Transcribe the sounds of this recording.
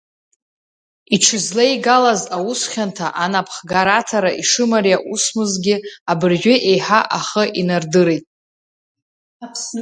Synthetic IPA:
iʈ͡ʂʰɨzlaiɡalazausχʲantʰaʔanapʰχɡaɾatʰaɾaʔiʂɨmarjaʔusmɨzɡʲɪabɨrʒʷᶣʏʔe̞jħaʔaχəʔinardɨɾejtʼ | pʰ

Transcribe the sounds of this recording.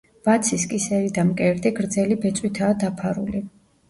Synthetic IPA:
b̥at̪sʰiskʼisɛvid̪amkʼɛɾd̪iɡɾd̪zɛlibɛt̪sʼwit̪ʰaːd̪apʰaɾṵli

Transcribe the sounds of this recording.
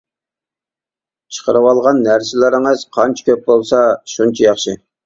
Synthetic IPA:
t͡ʃʰə̥qʰəɾɨwɑlˠʁɑnːæɾsɪlɪɾɪŋɨzqʰɑnt͡ʃʰkʲʰøp̚bolˠsɑʃunt͡ʃʰɑjɑχʃɨ

